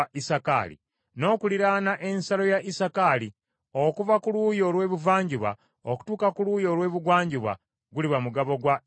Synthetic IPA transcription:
ʔisaka̰lḭ | no̞ːkuliɾaːnaʔe̞nsalo̞jaʔisakali | okuvakulujo̞lwe̞ːβuvaːɲɟuβa̰ | oku̥tuːkakuluːjo̞lwe̞ːβuɡwaːɲɟuβa̰ | ɡuliβamuɡaβo̞ɡwa

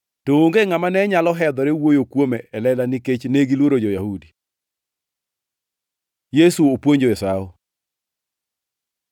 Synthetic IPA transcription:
tooŋɡeŋamanɛɲalɔɦɛd̪ɔɾewojokwomɛʔɛlɛlaniket͡ʃneɡilwoɾod͡ʒojahudi | jesuopwoɲd͡ʒoɛsao

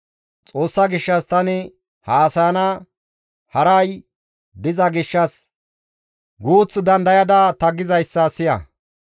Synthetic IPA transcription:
t͡sʼo̞ːsːɐɡɪʃːɐst̪ɐnɪ | haːsɐjɐnɐ | hɐɾɐj | d̪ɪzɐɡɪʃːɐs | ɡuːt͡sːd̪ɐnd̪ɐjɐd̪ɐt̪ɐɡɪzɐjsːɐsɪjɐ̰

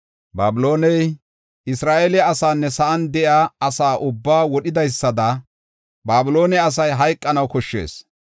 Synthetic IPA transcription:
baːbɪlo̞ːnɛj | ɪsɾaːʔeːlɛɐsaːnːɛsɐʔɐnd̪ɛʔjaːɐsaːʔʊbːaːwɔɗɪd̪ɐjsːɐd̪ɐ | baːbɪlo̞ːnɛɐs̬ɐjɦɐjkʼːɐnɐwkɔʃːe̞̰ːs

